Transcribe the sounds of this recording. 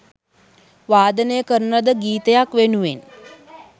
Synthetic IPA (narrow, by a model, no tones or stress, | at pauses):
ʋaːd̪ənejəkəɾənəd̪əɡiːt̪əjakʋenuʋen